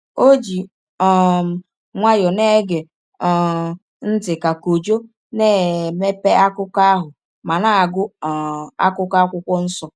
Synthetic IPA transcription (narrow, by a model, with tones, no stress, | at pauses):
o˦d͡ʒi˨ | ɔ˨ | ŋʷa˦jɔ˨ne˦ɡe˨ | ɔ˨ | n̩˦tɪ˨ka˨ko˨d͡ʒo˦ | ne˦˨me˦pe˦a˦kʊ˦ka˦ɦʊ˨ | ma˨na˨a˨ɡʊ˦˨ | a̰˦kʊ˦ka˦kʷʊ˦kʷɔ˦n̩˦sɔ˨